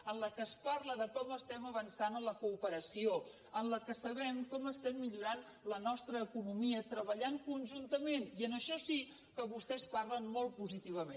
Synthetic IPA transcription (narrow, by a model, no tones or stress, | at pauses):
ənləkəsparləðəkɔməst̪ɛməβənsanənləkuːpəɾəsio | ənləkəsəβɛmkɔməst̪ɛmːiʎuɾan | lənɔst̪ɾəːkunumiət̪ɾəβəʎaŋkunʲʒunt̪əmeniənəʃɔsi | kəβust̪ɛsparlənmolˠt̪puzit̪iβ̞əmen